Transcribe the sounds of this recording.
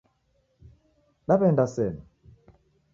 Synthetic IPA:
ɗabɛndasɛna

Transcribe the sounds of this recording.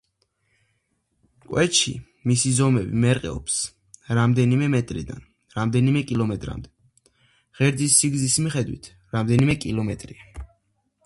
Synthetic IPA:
kʼwɛt͡ʃʰḭ | misizɔmɛbḭmɛɾqʼɛ̰ɔps | ɾamd̪ɛnimɛmɛt̪ʼɾḭd̪a̰n | ɾamd̪ɛnimɛkʼilˠɔmɛt̪ʼɾa̰md̪ɛ | ʁɛɾd̪zisːiɡzismiχɛd̪wḭt̪ʰ | ɾamd̪ɛnimɛkʼilˠɔmɛt̪ʼɾia

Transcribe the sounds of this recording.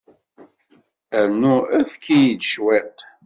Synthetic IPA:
æɾnuæθkʰːijid̪ʃwɛt̪

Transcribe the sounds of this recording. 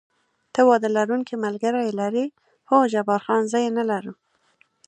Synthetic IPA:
t̪əwɑd̪əlaɾuŋkimalɡaɾajelaɾi | xod͡ʒabɑɾxɑnzɑjenalaɾu

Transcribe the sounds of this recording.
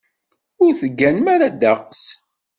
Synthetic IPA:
ʊɾθəɡːænmaɾad̪aqs

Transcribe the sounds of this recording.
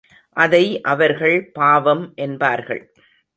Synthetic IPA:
ʔɐðɐɪʔɐʋɐɾɣɐɭpaːʋɐmʔɛnbaːɾɣɐ̰ɭ

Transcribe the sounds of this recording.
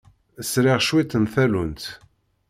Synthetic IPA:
əsɾɪʁʃwit̪ənθælunt̪

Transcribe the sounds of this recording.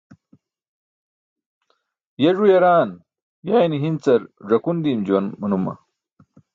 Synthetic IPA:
jɐʐujɐɾaːn | jaːjniɦint͡sɐɾʐɐkund̪iːmd͡ʑuwɐnmɐnumɐ̰

